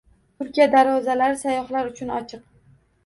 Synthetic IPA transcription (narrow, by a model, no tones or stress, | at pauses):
t̪ʰʊɾkʲijad̪aɾɒzalaɾɪsajɒχlaɾʊt͡ʃʰʊnɒt͡ʃʰɨq̚